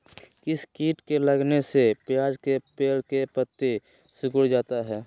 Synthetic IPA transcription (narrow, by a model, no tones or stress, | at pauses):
kɪskiːʈkeləɡnesepjaːd͡ʒkepeːɽkepət̪ːe | sʊkʊɽd͡ʒaːt̪aɦɛː